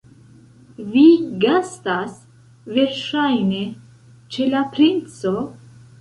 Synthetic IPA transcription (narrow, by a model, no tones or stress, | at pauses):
viɡastas | ve̞ɾʃajne̞ | t͡ʃe̞lapɾint͡so